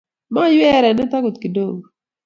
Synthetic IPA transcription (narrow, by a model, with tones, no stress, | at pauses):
ma˦jwɛ˦˨ɾɛ˨nɛ˦ta˦ɡu˨t̪̚ki˨do˦˨ŋ˨